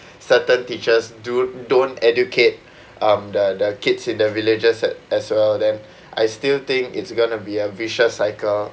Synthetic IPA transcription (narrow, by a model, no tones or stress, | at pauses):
sətə̃ntit͡ʃəsdudõntɛdjukʰet̚ | ʔãmdədəkidsĩndəviled͡ʒəsɛɛswɛldɛ̃n | ʔa̰jstilt̪ɪ̃ŋkḭtsɡõnubiəviʃəsaɪkəl